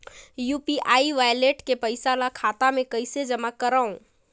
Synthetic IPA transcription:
juːpiʔaːiʋaːjleːʈkepɐɪsaːlakʰaːt̪amẽkɐɪsed͡ʒɐmakɐɾaũ

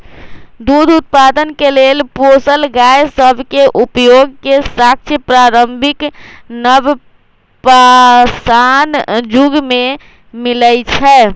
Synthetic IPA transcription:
d̪ud̪ʱut̪̚pad̪ənkelelposəlɡajsəbʱkeʔupjoɡkesakt͡ʃʰjəpɾaɾəmbʱiknəb | pasand͡ʒuɡme | miləjt͡ʃʰɛ

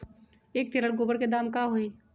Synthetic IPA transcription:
eːk̚t̪eɾəɽɡoːbəɽked̪aːmkaɦoːiː

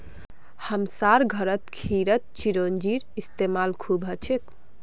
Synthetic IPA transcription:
həmsaɾɡʱəɾət̪kʰiɾət̪̚t͡ʃiɾond͡ʒiɾist̪emalkʰubɦət͡ʃʰek

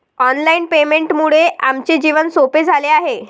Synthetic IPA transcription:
ɔnlainpemeɳʈmuɭeamt͡ɕed͡ʑiʋənsoped͡zʱaleaɦe

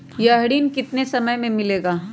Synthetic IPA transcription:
jɐɐɦɽiːnkɪt̪nesɐməjmẽmɪleːɡaː

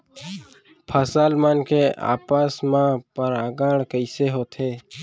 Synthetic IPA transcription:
pʰaːsaːlmaːnkeːa̰ːpaːsmãːpəɾaːɡaːɳkəɪseɦoːt̪ʰeː

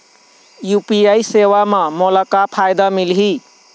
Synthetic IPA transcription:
jupiaisewamãmoləkapʰajd̪amilɦi

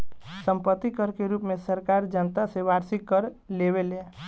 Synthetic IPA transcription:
sə̃mpət̪ːikəɾkeɾuːpmẽsəɾkaːɾd͡ʒənt̪aseʋaːɾsɪkːəɾ | leːʋeleː

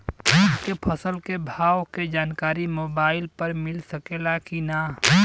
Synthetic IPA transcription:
ʊskepʰəsəlkebʱaːwked͡ʒaːnkaːɾimoːbaːɪlpəɾmɪlsəkelakina

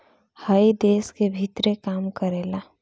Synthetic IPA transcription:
həid̪eskebʱit̪ɾekamkəɾela

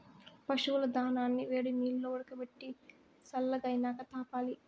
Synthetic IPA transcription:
pɐʂuʋulɐd̪aːnaːnːiʋeːɽimiːlːoɐɽɐkɐbɐʈːi | sɐlːɐɡɐjnaːkɐt̪aːpaːli

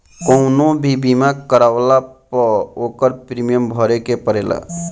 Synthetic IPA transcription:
kɔʊnobʱibimakəɾablapəokəɾpɾimijəmbʱəɾekepəɾela̰

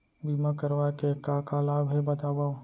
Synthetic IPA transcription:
biːmakəɾʋakekakalaːbɦɛbɐt̪aːbaːo

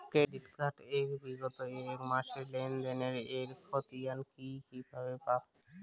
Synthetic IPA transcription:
kɾeɖiʈkaʈeɾbiɡɔt̪oekmaʃeɾlend̪eneɾeɾkʰot̪iankikibʱabepap

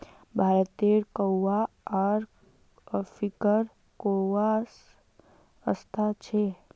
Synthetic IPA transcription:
bʱaɾət̪eɾkəːaː | ɾ | fikəɾ | koʋas | əst̪ʰat͡ʃʰe

